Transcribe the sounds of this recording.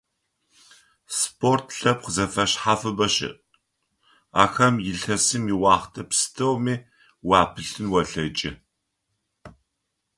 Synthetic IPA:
spʰortʰɬɐp̚qzɐfɐɕħafɨbɐɕɪ̰ʔ | a̰ːxɐmjɪɬɐsɨmiwɑːχtʰɐpsɨ̥tʰɐwmiː | wɑːpʰɨɬɨnwɐɬɐt͡ʃʼɪ̰

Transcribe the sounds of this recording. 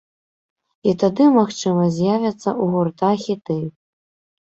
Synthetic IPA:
it̪ad̪ɨmaxt͡ʂɨmɐzʲjavʲɐt̪sːɐʔuɣurt̪axʲit̪ɨ

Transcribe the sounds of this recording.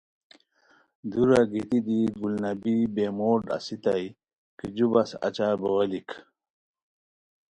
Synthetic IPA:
d̪uɾaɡit̪id̪iɡulnɐbibemoːɖa̰sit̪aj | kid͡ʑubasa̰t͡ɕabowɐlik

